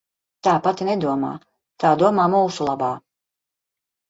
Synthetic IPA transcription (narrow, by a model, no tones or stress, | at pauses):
t̪aːpat̪inɛd̪uɔma̰ː | t̪aːd̪uɔmaːmuːsulˠabaː